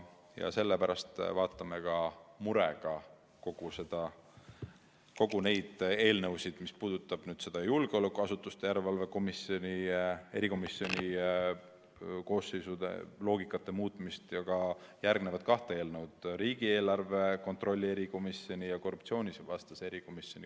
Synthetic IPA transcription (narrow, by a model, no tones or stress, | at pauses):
jɑ̰se̞lːepæɾɑst̪vɑːt̪ːˑɑme̞kɑmuɾeɡ̥ɑ | ko̞ɡ̥use̞d̪̥ɑ | ko̞ɡ̥une̞jd̪̥e̞ːlnewsid̪̥mispuːd̪̥ut̪ːˑɑb̥nyːd̪se̞d̪ɑjulɡ̥e̞o̞lekːˑuɑsut̪ːˑust̪e̞jæɾelvɑlve̞ko̞misio̞nʲie̞ɾiko̞misːjo̞nʲi | ko̞ːsːe̞jsud̪̥ḛlo̞ːɡ̥ikːˑɑt̪ːˑe̞muːt̪ˑmist̪jɑɡɑjærɡ̥ne̞vɑt̪̚kɑht̪ee̞ːlnewd̪̥ɾiːɡ̥ie̞ːlɑrve̞ko̞nt̪ro̞lʲːie̞ɾiko̞misːio̞nʲijɑko̞rːupt̪sio̞ːnʲisvɑst̪ɑsee̞ɾiko̞misjo̞ni